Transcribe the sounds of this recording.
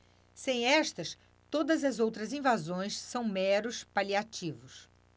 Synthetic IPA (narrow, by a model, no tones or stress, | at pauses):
sẽj̃ɛʃt̪ɐs | t̪od̪ɐzɐzowt̪ɾɐzĩvazõj̃sːɐ̃w̃mɛɾʊspaliat͡ʃivʊs